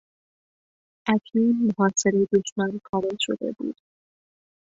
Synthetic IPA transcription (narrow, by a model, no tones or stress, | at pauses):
ʔækʰiːnmoɦɒːse̞ɾejed̪o̞ʃmænkʰɒːme̞lʃo̰d̪e̞̰bṵːd̪̥